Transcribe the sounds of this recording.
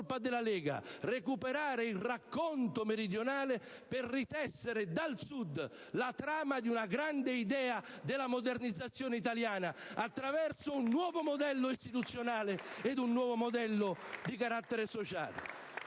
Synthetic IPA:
lpad̪ɪlːalɛːɡa̰rekupeɾaːɾeilrakːont̪omeɾid̪jonaːlɪ | pɪrrːit̪ɛsːeɾɪd̪alsud̪ | lat̪ɾaːmad̪iunaɡɾand̪eid̪ɛːad̪ɪlːamod̪ernid̪zːat̪sːjoːneit̪̬aljaːnaat̪ːɾavɛrsʊunːwɔːvomod̪ɛlːʊist̪it̪ut̪sːjonaːleed̪unːwɔːvomod̪ɛlːʊd̪ikaɾat̪ːeɾesot͡ʃa̰ːlɪ̰

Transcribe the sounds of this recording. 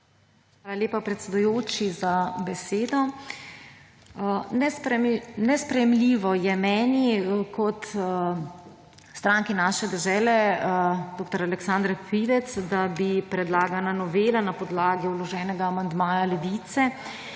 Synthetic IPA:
xʋaːlaljeːpapɾɛt̪sɛd̪ujoːt͡ʃizabɛseːd̪ɔ | nɛ | nɛspɾɛjɛmliːʋɔjɛmɛːnikʰɔt̪ | st̪ɾaːŋkinaʃɛd̪ɛʒɛːlɛ | d̪oːkt̪ɔɾalɛksand̪ɾpiʋɛt̪sd̪abipɾɛd̪laːɡananɔʋeːlanapɔd̪laːɡiulɔʒɛːnɛɡaːmand̪maːjalɛʋiːt̪sɛ

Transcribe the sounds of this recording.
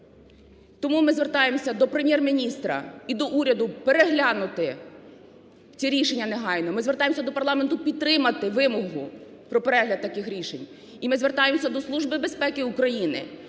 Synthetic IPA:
t̪ɔmumɪzʋert̪ɑjemsʲɐd̪ɔpɾemʲjermʲinʲist̪ɾɐ̰id̪ɔʔuɾʲɐd̪ʊpeɾeɦlʲanʊt̪ɪ | t͡sʲiɾʲiʃenʲːɐneɦɑjnɔmɪzʋert̪ɑjemsʲɐd̪ɔpɐrlˠɑment̪ʊpʲid̪̚t̪ɾɪmɐt̪ɪʋɪmɔɦʊ | pɾɔpeɾɛɦlʲɐd̪̚t̪ɐkɪxɾʲiʃenʲ | imɪzʋert̪ɑjemsʲɐd̪ɔslˠuʒbɪbe̞spɛkɪʊkɾɐjinɪ̰

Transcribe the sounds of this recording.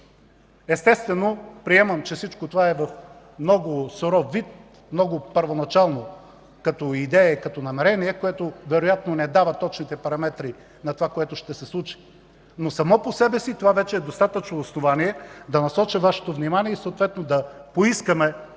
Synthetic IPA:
ɛst̪ɛst̪vɛnopɾiɛmɐmt͡ʃɛfsit͡ʃkot̪ovaɛvɐf | mnɔɡʊsoɾɔvit̪̚ | mnɔɡʊpəɾvonɐt͡ʃalˠno | kɐt̪ɔid̪ɛjɛkɐt̪ɔnɐmɛɾɛniɛkoɛt̪ovɛɾojat̪nonɛd̪avɐt̪ɔt͡ʃnit̪ɛpɐɾɐmɛt̪ɾi | nɐt̪ovakoɛt̪ʊʃt̪ɛsɛslˠut͡ʃi̥ | nosɐmɔposɛbɛsit̪ovavɛt͡ʃɛɛd̪ost̪at̪ət͡ʃnoːsnovaniɛd̪ɐnɐsɔt͡ʃɐvaʃɛ̥t̪ovnimaniɛisɐot̪vɛt̪nod̪ɐpoiskəmɛ

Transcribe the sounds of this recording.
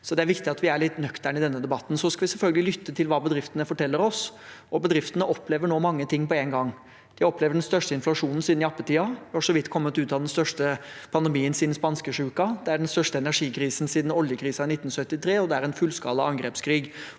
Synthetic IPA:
sɔd̪ɛæɾʋɪkt̪ɪɑt̪ʋɪæɭɪt̪nœkt̪æɳɪd̪ɛnːəd̪ɛbɑt̪ːn̩sɔskɑʋɪsɛlfœlɡəlɪlʏt̪ːət̪ʰɪlʋɑːbəd̪ɾɪft̪ənəfɔʈʰɛlːəɾɔsɔbəd̪ɾɪft̪ənəʔɔpːleːʋəɳoːmɑŋːət̪ʰɪŋːpɔenɡɑŋː | d̪̥ɪɔpleːʋəɖɛnst̪œʂʈəɪnflɑʂuːnn̩siːd̪nɪɑpːət̪ʰiːɑʋɪhɑʂɔʋɪt̪ːkʰɔmːət̪ʉːt̪ɑd̪ɛnst̪œʂʈəpʰɑnd̪ɛmiːənsiːd̪n̩spɑnskəʂʉːkɑd̪ɛæɖɛnst̪œʂʈəɛnæʂiːkʰɾiːsn̩siːd̪n̩ɔljəkʰɾiːsɑɪnɪt̪ːn̩sœt̪ːɪt̪ʰɾeːɔd̪ɛæɾɛnfʉlskɑ̰ːləɑŋɡɾɛpskʰɾiːɡ

